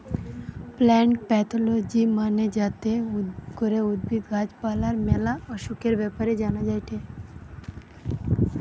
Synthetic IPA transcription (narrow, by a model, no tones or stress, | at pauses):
plɛːɳʈpɛːt̪ʰlod͡ʒimaːned͡ʒaːt̪eɡʊɾeʊd̪̚bʱit̪ɡʱaːd͡ʒpaːlaɾmɛːlaɔɾʃʊkeɾbaːpəɾed͡ʒaːnad͡ʒaːiʈʰeː